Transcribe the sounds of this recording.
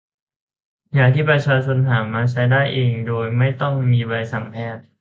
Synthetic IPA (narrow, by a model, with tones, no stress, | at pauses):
jaː˨˩k̚t̪ʰiː˥˩pɾa˧t͡ɕʰaː˧t͡ɕʰo˧nt̪ʰaː˩˦mːaː˧t͡ɕʰa˦˥jdaː˥˩jʔeː˧ŋdoː˧jma˥˩jt̪ɔ˥˩ŋmiː˧ba˧jsa˨˩˦ŋpʰɛː˥˩t̪̚